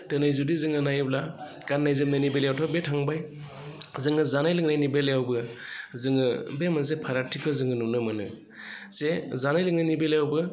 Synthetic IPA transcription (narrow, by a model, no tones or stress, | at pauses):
tɯnajzudizɯŋɯnajbla | kanːajzɯm̚nɯnibelejawtʰɔbetʰaŋbaj | zɯŋɯzanajlɯŋnajnibelejawbɯ | zɯŋɯbemazepʰaɾatʰikʰɯzɯŋɯnunɯmɯnɯ | zezanajlɯŋnanibeljawbɯ